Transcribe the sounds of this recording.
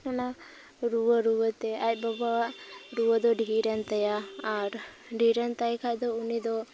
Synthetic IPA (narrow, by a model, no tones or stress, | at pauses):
nana | ɾuəɾuət̪ɛaj̚bɔbaaɾuəd̪ɔɖʱiɾənt̪əjaaɾ | ɖʱiɾənt̪ajkʰad̪ɔunid̪ɔ